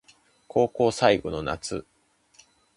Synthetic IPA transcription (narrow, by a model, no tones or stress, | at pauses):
kʰo̞ːko̞ːsaiɡo̞no̞na̰t͡sɨ